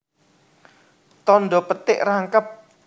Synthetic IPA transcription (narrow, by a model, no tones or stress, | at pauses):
t̪ɔnɖɔpət̪ɪʔraŋkəp̚